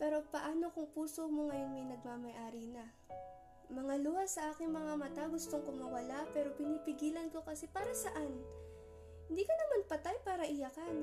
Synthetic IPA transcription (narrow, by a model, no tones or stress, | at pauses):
pɛːɾo̞pɐʔaːno̞kʊŋpuːso̞moŋɐjo̞nmɐjnɐɡ̚mamɐjʔaːɾinɐ | mɐŋaluasɐʔaːkɪŋmɐŋamɐt̪aɡʊst̪oŋkʊŋmɐwɐlapɛːɾo̞pɪnipɪɡiːlɐnko̞kɐsɛpaːɾɐsɐʔan | hhɪnd̪iːkɐnɐmanpɐt̪ajpaːɾɐʔɪjɐkan